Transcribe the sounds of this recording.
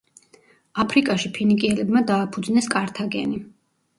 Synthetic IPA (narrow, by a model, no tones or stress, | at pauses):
apʰɾikʼaʃipʰinikʼiɛlɛbmad̪aːpʰud̪znɛskʼaɾt̪ʰaɡɛ̰ni